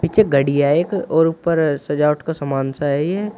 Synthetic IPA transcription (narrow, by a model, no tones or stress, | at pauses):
pit͡ʃʰeɡɐɽijaːekɔːɾʊpːəɾsɐd͡ʒaːʊʈkasɐmaːnsaɦɛɛ